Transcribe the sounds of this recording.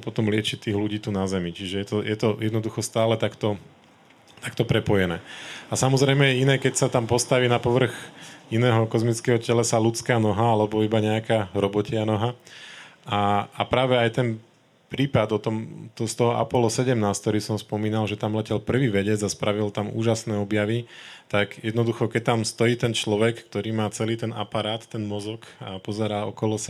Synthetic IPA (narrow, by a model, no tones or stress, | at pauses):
pɔt̪ɔmlɪɛt͡ʃit̪iːɣluɟiːt̪unazɛmit͡ʃiʒɛjɛt̪ɔjɛt̪ɔjɛd̪nɔd̪uxɔst̪aːlɛt̪akt̪ɔ | t̪akt̪ɔpɾɛpɔjɛnɛ̰ːasamɔzɾɛjmɛɛinɛːkɛcsat̪ampɔst̪aʋiːnapɔʋr̩ɣinɛːɦɔkɔzmit͡skɛːɦɔcɛlɛsalut͡skaːnɔɦaalɛbɔibaɲɛakaːɾɔbɔcɪanɔɦa | ʔaːpɾaːʋɛajt̪ɛn | pɾiːpad̪ɔt̪ɔmt̪ɔst̪ɔɦɔʔa̰pɔlɔsɛɟɛmnaːskt̪ɔɾiːsɔmspɔmiːnalʒɛt̪amlɛcɛlpr̩ʋiːʋɛɟɛd͡zaspɾaʋilt̪amṵːʒasnɛːɔbjaʋit̪aɡjɛd̪nɔd̪uxɔkɛc̚t̪amst̪ɔjiːt̪ɛnt͡ʃlɔʋɛkːt̪ɔɾiːmaːt͡sɛliːt̪ɛna̰paɾaːt̪ːɛnmɔzɔkapɔzɛɾaːɔ̰kɔlɔsa